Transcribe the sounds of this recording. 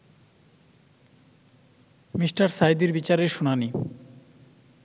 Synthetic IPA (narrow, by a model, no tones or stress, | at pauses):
misʈaɾsajd̪iɾbit͡ɕaɾeʃonani